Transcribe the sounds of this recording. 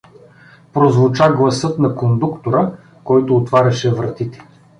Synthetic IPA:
pɾozvʊt͡ʃaɡlˠɐsɤt̪nɐkond̪ukt̪oɾə | kɔjt̪oːt̪vaɾʲɐʃɛvɾɐt̪it̪ɛ̥

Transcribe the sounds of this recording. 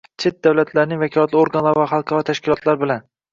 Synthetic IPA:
t͡ʃʰe̞t̪̚d̪awlat̪ʰlaɾnɪŋvakʲʰɒlˠat̪lˠoɾɡanlˠaɾvaɾχɑlˠqʰɑɾɒt̪ʰaʃkʲɪlˠɒt̪laɾbɪlan

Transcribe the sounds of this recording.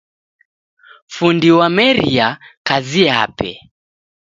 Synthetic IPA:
fundiwamɛɾiakazia̰pɛ̰

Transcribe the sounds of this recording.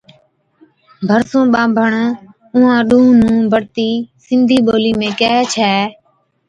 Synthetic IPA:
bʱəɾsõːɓãːmbʱəɳ | ʊɦãːɗũːnũːbʱəɽt̪iːsɪ̃nd̪ʱiːɓoːliːmẽːkɛːt͡ʃʰɛː

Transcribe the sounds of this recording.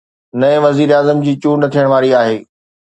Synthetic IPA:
nɐ̃ẽʋɐziːɾaːzəmd͡ʑiːt͡ɕuːnɐt̪ʰijəɽ̃ʋaːɾiaːɦeː

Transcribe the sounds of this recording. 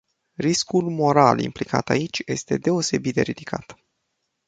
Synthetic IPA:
riskulmo̞ɾa̰lḭmplika̰t̪ait͡ʃʲje̞̰st̪e̞d̪e̞o̞se̞bit̪d̪eɾid̪̥ikʰa̰t̪

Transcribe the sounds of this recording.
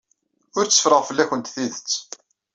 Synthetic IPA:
ʊɾt͡sːə̥fɾəʁfəlːæçənt̪θiðət͡sː

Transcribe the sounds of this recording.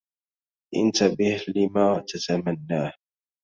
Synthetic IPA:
ʔɪ̰nt̪abɪhlɪmaːt̪ʰat̪amanːaːh

